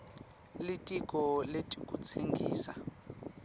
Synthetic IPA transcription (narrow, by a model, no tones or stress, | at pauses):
litʼikʼɔletʼikʼut͡sʰeŋɡʱḭːsa